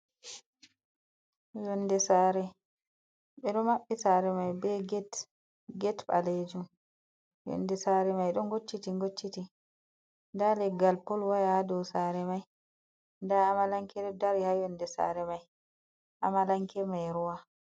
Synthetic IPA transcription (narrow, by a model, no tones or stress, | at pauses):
jɔnːdɛsaɾɛ | ɓɛɗɔmaɓːisaɾɛmajbɛɡɛt | ɡɛtɓa̰led͡ʒum | jɔ̰nːdɛsaɾɛmajɗɔŋɡot͡ʃːitiŋɡot͡ʃːiti | ndalɛɡalpɔlwajahadɔsaɾɛmaj | ndaːmalaŋkɛɗɔdaɾihajɔndɛsa̰ɾɛmaj | ʔamalaŋkɛmajɾuwa